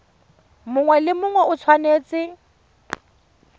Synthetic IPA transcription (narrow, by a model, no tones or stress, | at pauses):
mʊŋwɛlɪmʊŋwɛʔʊt͡sʰwaneːt͡sʼɪ